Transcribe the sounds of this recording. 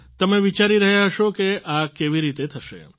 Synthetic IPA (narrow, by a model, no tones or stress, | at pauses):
t̪əmeʋit͡ʃaɾiɾəɦjaɦəʃokeʔakeʋiɾit̪et̪ʰəʃḛ